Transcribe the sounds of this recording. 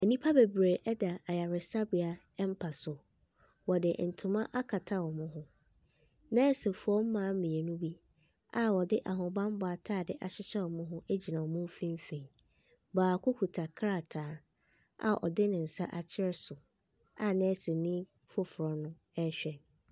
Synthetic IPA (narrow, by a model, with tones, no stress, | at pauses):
e˨nĩ˦pʰa˦be˨bɾe˨ʔɛ˦da˨a˨ja˨ɾɪ˨sa˦bɪ˨a˨ | ɛ˦m˦pʰa˨sʊ˨ | wɔ˨dɪ˨n̩˨tʰʊ̃˨mã˦ʔa˦kʰa˨tʰa˦wɔ˨mʊ̃˦ɦʊ̃˦ | nɛ̃˦sɪ˨fʊ˨˦ɔ˦m̩˦mãː˨˦mĩ˨e˨nʊ̃˦bi˦ | a˦wɔ˨dɪ˦ʔa˨ɦʊ̃˨bã˦m˦bɔ˨a˨tʰaː˦˨dɪ˦ʔa˨ɕɪ˦ɕɛ˦wɔ˨mʊ̃˦ɦʊ̃˦ʔe˦d͡ʑi˨nã˨ɔ˨mʊ̃˦m˦fĩ˦m˦fẽ˨ | baː˨kʰʊ˦kʰu˨tʰa˨kʰɾa˦˨tʰaː˨˦ | a̰˨ʔɔ̰˨dɪ˦nɪ̃˨n̩˨sa˦ʔa˨t͡ɕʰɪ˦ɾɛ˦sʊ˨ | a˨nɛ̃˦sɪ˨nĩ˦ | fʊ˦fʊ˨ɾɔ˨nʊ̃˦ | ɛ˦ɕᶣɛ˨n